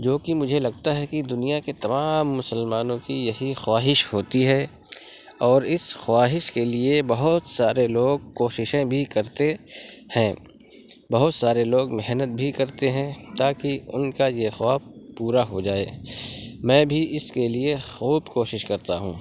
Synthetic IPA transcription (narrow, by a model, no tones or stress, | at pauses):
d͡ʒoːkimʊd͡ʒʱelɐɡt̪aɦɛkid̪ʊnijaket̪ɐmaːmːʊsəlmaːnõkijɐɦixwaːɦɪʃhoːt̪iɦɛ | ɔːɾɪsxwaːɦɪʃkeliebɐɦʊt̪saːɾeloːɡ̚koːʃɪʃẽbʱikɐɾt̪ehɛ̃ː | bɐɦʊt̪saːɾeloːɡmɛɦnət̪̚bʱikɐɾt̪eɦɛ̃t̪aːkiʊ̰nkajexwaː | puːɾaɦod͡ʒaːeː | mɛ̃ːbʱiʔɪskeliexuːbkoːʃɪʃkɐɾt̪aɦũː